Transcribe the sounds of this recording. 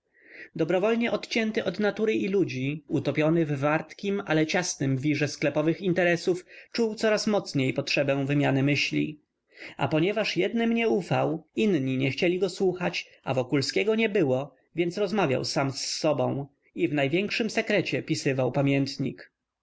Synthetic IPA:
d̪ɔbɾɔvɔlɲɛʔɔt̪t͡ɕɛnt̪ɘʔɔd̪nat̪uɾɘʔilud͡ʑiut̪ɔpʲjɔnɘvvaɾt̪kʲimalɛt͡ɕasnɘmvʲiʐɛsklɛpɔvɘxint̪ɛɾɛsuft͡ʂuwt̪sɔɾasmɔt̪sɲejpɔtʂɛbɛ̃w̃vɘmʲjanɘmɘɕlʲḭ | a̰pɔɲɛvaʂjɛd̪nɘmɲɛufawinɲiɲɛxt͡ɕɛlʲiɡɔswuxat͡ɕ | a̰vɔkulskʲɛɡɔɲɛbɘwɔ | vʲjɛnt̪sɾɔzmavʲja̰wsamsːɔbɔ̃w̃ | ivnajvʲjɛŋkʂɘmsɛkɾɛt͡ɕɛpʲisɘvawpamʲjɛnt̪ɲḭk

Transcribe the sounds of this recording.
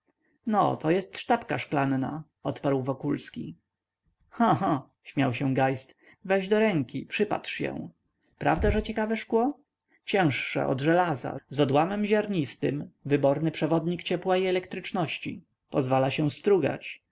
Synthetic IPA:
nɔ̰t̪ɔjɛst̪ʂt̪apkaʂklanna̰ | ɔt̪paɾwvɔkulskʲi | xãxã | ɕmʲjawɕɛ̃ɡajst̪ | vɛʑd̪ɔɾɛŋkʲipʂɘpa̰t̪ʂjɛ̰w̃ | pɾavd̪aʐɛt͡ɕɛkavɛʂkwɔ | t͡ɕɛ̃w̃ʂːɛ̰ʔɔ̰d̪ʐɛlaza̰zɔd̪wamɛmʑaɾɲist̪ɘ̰mvɘbɔɾnɘpʂɛvɔd̪ɲikt͡ɕɛpwaiɛlɛkt̪ɾɘt͡ʂnɔɕt͡ɕḭ | pɔzvalaɕɛ̃st̪ɾuɡa̰t͡ɕ

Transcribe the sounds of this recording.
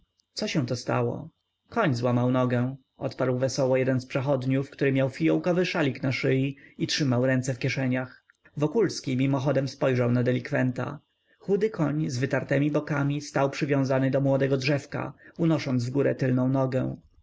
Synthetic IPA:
t̪sɔɕɛ̃w̃t̪ɔst̪a̰wɔ̰ | kɔɲzwamawnɔɡɛ̃ | ʔɔ̰t̪paɾwvɛsɔwɔjɛd̪ɛnspʂɛxɔd̪ɲufkt̪uɾɘmʲjawfʲijɔwkɔvɘʂalʲiknaʂɘjiitʂɘmawɾɛnt̪sɛfkʲjɛʂɛɲax | vɔkulskʲimʲimɔxɔd̪ɛmspɔjʐawnad̪ɛlʲikfɛnt̪a̰ | xud̪ɘkʰɔɲzvɘt̪aɾt̪ɛmʲibɔkamʲist̪awpʂɘvʲjɔ̃zanɘd̪ɔmwɔd̪ɛɡɔdʐɛfka̰unɔʂɔnd̪zvɡuɾɛ̰t̪ɘlnɔ̃w̃nɔɡɛ̰̃

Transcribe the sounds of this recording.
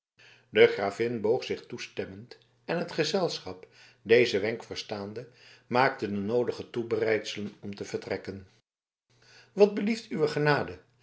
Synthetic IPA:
dəχraːvɪnbowχsɪχtustɛmənt | ɛnɦətχəzɛlˠsχɑp | dejzəʋɛŋkfəɹstaːndəmaːk̚tədənowdəχətubərɛjtsələnɔmtəvəɹtrɛkən | ʋɑd̚bəliftyʋəχənaːdə

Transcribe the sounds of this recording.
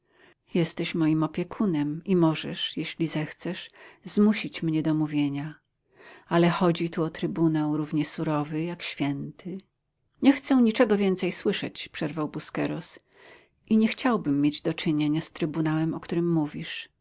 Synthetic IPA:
jɛst̪ɛɕmɔjimɔpʲjɛkʰunɛmimɔʐɛʂjeɕlʲizɛxt̪sɛʂzmuɕit͡ɕmɲɛd̪ɔmuvʲjeɲa | alɛxɔd͡ʑit̪uɔt̪ɾɘbunawɾuvɲɛsuɾɔvɘjakɕfʲjɛnt̪ʰɘ | ɲɛxt̪sɛw̃ɲit͡ʂɛɡɔvʲjɛnt̪sɛjswɘʂɛ̰t͡ɕpʂɛɾvawbuskɛɾɔs | ʔiɲɛxt͡ɕawbɘmːjed͡ʑd̪ɔt͡ʂɘɲeɲast̪ɾɘbunawɛmɔkt̪uɾɘmːuvʲiʂ

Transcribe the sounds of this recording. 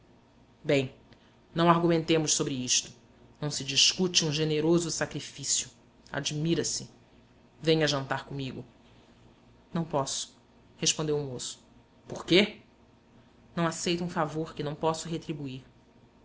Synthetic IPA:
bẽj̃ | nɐ̃w̃aɾɡumẽnt̪ẽmʊʃsobɾɪiʃt̪ʊ̥ | nɐ̃w̃sɪd͡ʒiʃkut͡ʃɪũʒeneɾozʊsakɾifisjʊ | a̰d͡ʒmiɾɐsɪ | vẽjɲɐʒɐ̃nt̪aɾkõmiɡʊ | nɐ̃w̃pɔsʊ̥ | heʃpõnd̪ewʊmosʊ̥ | poɾke | nɐ̃w̃asejt̪ʊũfavoɾkɪnɐ̃w̃pɔsʊɦet̪ɾibuiɾ

